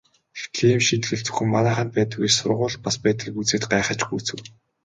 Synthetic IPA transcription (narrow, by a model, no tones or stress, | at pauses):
ext̪ɮeːmʃint̪ɮɘ̆ɮt͡sʰɵ̥xɘ̆mːanaːχə̆npæːt̪ə̆ɣeːrsʊ̰rʁʊːɮpaspæːt̪ɡʲiːkut͡seːt̪̚ɢaːχə̆t͡ɕɡujt͡sɘ̆w